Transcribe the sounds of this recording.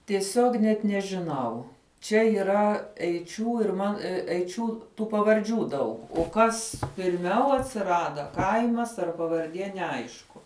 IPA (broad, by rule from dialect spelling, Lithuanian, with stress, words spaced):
tʲiɛˈsʲoːk nʲɛt nʲɛʒʲɪˈnɐʊ ˈt͡ʃʲɛ iːˈrɐ ɛɪˈt͡ʃʲuː ɪr ˈmɐn ɛɪˈt͡ʃʲuː ˈtuː pɐʋɐrʲˈd͡ʒʲuː ˈdɐʊk oː ˈkɐs pʲɪrʲˈmʲɛʊ ɐtʲsʲɪˈrɑːdɐ ˈkɐɪmɐs ɐr pɐʋɐrʲˈdʲiɛ nʲɛˈɐɪʃkʊ